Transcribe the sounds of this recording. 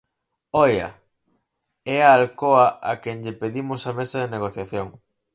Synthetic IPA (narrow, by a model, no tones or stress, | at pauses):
ɔjɐ̰ | ɛaːlkoɐakɛŋʎɪpeðimʊsɐmesɐðeneɣ̞oθjaθjoŋ